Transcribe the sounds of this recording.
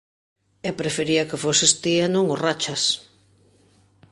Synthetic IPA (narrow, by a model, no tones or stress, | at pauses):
epɾefeɾiɐkefosest̪ianõŋorat͡ʃas